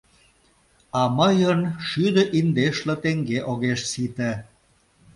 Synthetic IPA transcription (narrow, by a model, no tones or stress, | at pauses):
ɑməjənʃyd̪əʔind̪eʃlĕt̪eŋɡeʔoɣeʃsit̪e